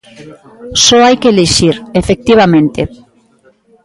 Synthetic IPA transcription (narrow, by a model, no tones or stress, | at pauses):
sɔajkeːleʃiɾefek̚t̪iβ̞amẽnt̪e